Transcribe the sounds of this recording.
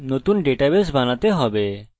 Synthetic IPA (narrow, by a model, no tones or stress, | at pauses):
not̪unɖeʈabes̬banat̪eɦɔbe